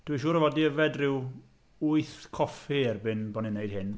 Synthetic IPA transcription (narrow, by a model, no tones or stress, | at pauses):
d̥wiʃuːɾəvɔdiəvɛdrɪw | uɨθkʰɔfhirbɪnbɔninejd̥̚hɪn